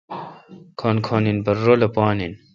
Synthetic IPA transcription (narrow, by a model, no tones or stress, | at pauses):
kʰoːnkʰoːninbɐrːolɐpaːnin